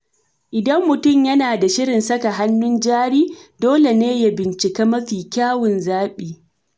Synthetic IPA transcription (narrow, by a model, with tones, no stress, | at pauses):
ʔɪ˨dɐ˦mːʊ˨tʊ˦˨mjɐ˦naː˨da˨ʃɪ˦ɽɪ˨nsɐ˦ka˨ɦa˦nːʊ˦nd͡ʒaː˦ɽiː˦doː˦le˨neː˦ja˦bɪ˨nt͡ʃɪ˨kaː˦mɐ˦ɸiː˨kʲaː˦wʊ˨nzaː˦ɓiː˨